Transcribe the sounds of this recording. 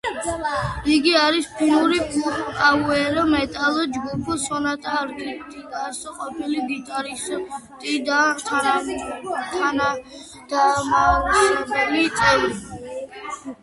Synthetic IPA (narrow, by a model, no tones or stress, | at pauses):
iɡiaɾispʰinuɾipʰukʼauɛɾɔmɛt̪ʼalɔd͡ʒɡupʰɔsɔnat̪ʰʼaɾt̪ʰʼit̪ʼidasɔqʼɔpʰiliɡit̪ʼaɾist̪ʼid̪at̪ʰaa | t̪ʰana | d̪̥amaʃnɔbɛlit̪sʼɛli